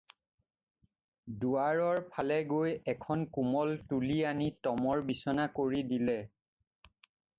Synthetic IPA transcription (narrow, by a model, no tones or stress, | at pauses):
duaɹɔɹpʰalɛɡojɛkʰɔnkumɔltulianitɔmɔɹbisɔnakoɹidilɛ